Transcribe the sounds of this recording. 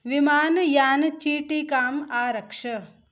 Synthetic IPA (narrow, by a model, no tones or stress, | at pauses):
ʋimaːnjaːnt͡ʃiːʈiːkaːmaːɾɐkʂɐ